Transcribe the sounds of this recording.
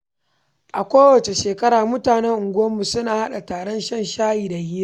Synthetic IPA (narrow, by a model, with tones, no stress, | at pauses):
ʔa˨kʷoː˦wɐ˨t͡ʃe˨ʃeː˨kɐ˦ɽaː˨mʊ˦taː˨nɛ˦ŋʔʊ˨ŋɡʷʊ˦wɐ˦mːu˨sʊ˦naː˨ha˦ɗa˨taː˨ɽɔ˦nʃɐ˦˨nʃaː˦jiː˨da˨hiː˦a˦